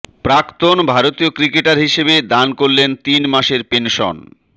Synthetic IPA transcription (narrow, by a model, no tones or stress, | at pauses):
pɾakt̪onbʱaɾot̪iokɾikeʈaɾɦiʃebed̪ankoɾlent̪inmaʃeɾpenʃɔ̰n